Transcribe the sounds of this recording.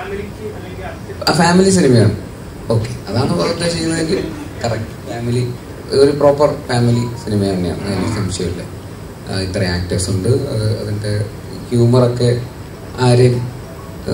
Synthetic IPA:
afaːmilis̬inimɐjaːɳɨ | o̞ːkːe̞ɐðaːɳɨbɐlɐt̪ːet͡ɕe̞jːunːɐðe̞ŋɡilkɐrɐk̚ʈɨ̥faːmili | o̞ɾupro̞ːpːɐrfaːmilisinimɐjɐɳːeja̰ːɳɨɐ̰ðinilsɐmɕjɐmilːɐ̰ | it̪ːrɐaːk̚tiʋsuɳɖɨɐ̰ðɨɐ̰ðinde | kjuːmɐro̞kːe̞ | aːɾjɐm

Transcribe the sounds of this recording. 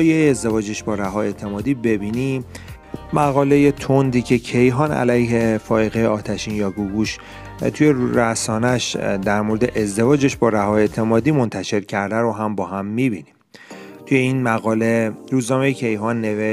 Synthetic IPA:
jeːzd̪e̞vɒːd͡ʒeʃbɒːɾæɦɒːe̞ːt̪ʰe̞mɒːd̪iːbe̞biːni | mæɣɒːle̞je̞t̪ʰond̪iːcʰe̞cʰe̞jɦɒːnæ̰læjɦe̞fɒːeɣejeɒːt̪ʰæʃiːnjɒːɡuɡuːʃ | t̪ʰuje̞ɾæsɒːnæʃd̪æɾmoɾed̪eʔezd̪e̞vɒːd͡ʒeʃbɒːɾæɦɒːje̞t̪ʰe̞mɒːd̪iːmo̞nt̪ʰæʃe̞ɾcʰæɾd̪æɾo̞ɦæmbɒːhæmːibinim | t̪ʰuje̞inmæɣɒːle̞ɾuːznɒːme̞jecʰe̞jɦɒːnːe̞ve

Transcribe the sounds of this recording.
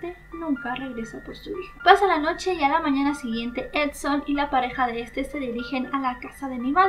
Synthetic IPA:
t̪e | nũŋkare̞ɣɾe̞sapost̪uixopasalano̞t͡ʃe̞ialamãɲanasiɣje̞nt̪e̞ʔet̪sonilapaɾe̞xaðe̞est̪e̞se̞ðiɾixe̞nalakasaðe̞niβa

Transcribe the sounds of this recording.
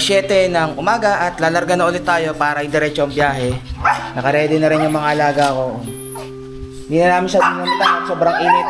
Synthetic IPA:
sjɛːt̪ɛnɐŋʔʊmaːɡɐʔɐt̪laːlɐɾɡanɐʔʊlɪt̪ːaːjo̞paːɾɐɪd̪ɛɾɛːt͡ʃoʔɐŋbjaːɦɛnɐkɐɾɛːd̪ɪnɐɾɪnjʊŋmɐŋaʔɐlaːɡɐɐko̞ | ɪɪnd̪iːnɐnaːmɪnsɐd̪inɐnt̪aɐŋsoːbɾɐŋʔiːmɪ

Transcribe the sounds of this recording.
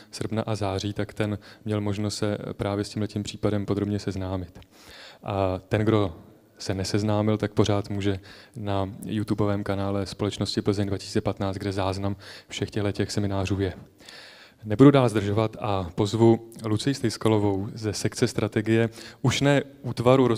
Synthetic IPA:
sr̩pnaʔazaːriːt̪akt̪ɛnmɲɛlmo̞ʒnost̪sɛpɾaːvjɛscʲiːmlɛciːmpr̝̥iːpadɛmpo̞d̪ɾo̞bɲɛsɛznaːmɪt̪ | ʔat̪ɛnɡdo̞ | sɛnɛsɛznaːmɪlt̪ak̚po̞ɾ̝aːt̪muːʒɛnajut̪ubo̞vɛːmkanaːlɛspo̞lɛt͡ʃno̞scɪpl̩zɪɲd̪vacɪ̥siːt͡sɛpat̪naːt͡s̪ɡ̚dɛzaːznamfʃɛxcɛɦlɛcɛxsɛmɪnaːruːjɛ | nɛbududaːlzd̪r̩ʒo̞vat̪ʔapo̞zvulut͡sɪjist̪ɛjskalovo̞wzɛsɛkt͡sɛst̪ɾʔat̪ɛɡɪjɛʔuʃnɛːʔuːt̪vaɾuɾo

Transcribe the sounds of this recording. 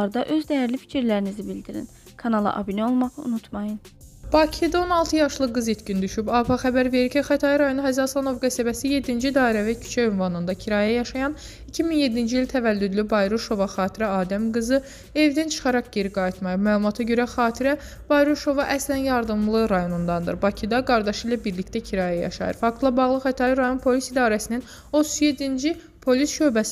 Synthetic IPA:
ɾd̪ɑʔø̞zd̪æjæɾlifi̥cʰiɾlæɾinizibild̪iɾḭn | kʰɑnɑlˠɑ̰ʔɑ̰bineo̞lˠmɑʁɯṵnut̪ʰmɑjɯn | b̥ɑcʰid̪ɑo̞nɑlˠt̪ʰɯjɑʃlˠɯɡɯzit̪cind̪yʃybɑpʰɑxæbæɾve̞ɾiɾcixæt̪ʰɑjiɾɑjo̞nuhæzɑslˠɑno̞vɡæsæbæsije̞d̪ːind͡ʒid̪ɑːiɾævæcʰy̥t͡ʃʰæynvɑnɯnd̪ɑcʰiɾɑːjæjɑʃɑjɑn | icʰiminje̞d̪ːind͡ʒiilt̪ʰævælːyd̪lybɑjɾuʃo̞vɑxɑːt̪ʰiɾæɑːd̪æmɡɯzɯ | e̞vd̪ænt͡ʃʰɯ̥χɑɾɑqɟeɾiɡɑit̪mɑjɑmæːlˠumɑt̪ʰɑɟø̞ɾæxɑːt̪ʰiɾæ | bɑjɾuʃo̞vɑʔæslænjɑɾd̪ɯmlˠɯɾɑjo̞nund̪ɑnd̪ɯ̰ɾbɑcʰid̪ɑɡɑɾd̪ɑʃilæbiɾlict̪æcʰiɾɑːjæjɑ̰ʃɑ̰jɯ̰ɾfɑk̚t̪ʰlˠɑbɑɣlˠɯxæt̪ʰɑɾɾɑjo̞npʰo̞lisid̪ɑːɾæsinin | o̞t̪ʰu̥zje̞d̪ːind͡ʒi | pʰo̞lisʃø̞bæsi

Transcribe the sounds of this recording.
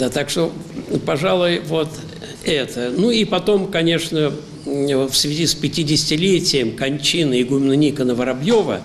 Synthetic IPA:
d̪at̪akʂt̪opɐʐalˠʊjvo̞t̪ | ɛt̪ənuipɐt̪o̞mkɐnʲe̞ʂnə | fsvʲɪzʲispʲɪtʲɪdʲɪsʲɪtʲɪlʲetʲɪjɪmkɐnʲt͡ɕinɨɪɡʊmnənʲikənəvəɾɐbjovə̰

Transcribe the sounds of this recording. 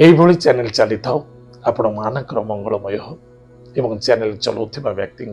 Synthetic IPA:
eibʱoɭit͡ʃanelt͡ʃalit̪ʰaw | apɽ̃ɔ̃manakɾɔmɔŋɡɔɭɔmɔjɔɦɔ | ebɔŋt͡ʃanelt͡ʃɔ̰lot̪ʰibaʋjak̚t̪iŋ

